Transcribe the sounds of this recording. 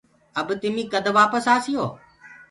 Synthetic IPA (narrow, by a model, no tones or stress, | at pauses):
əbt̪ɪmĩːkəd̪ʱʋaːpəsaːsɪjoː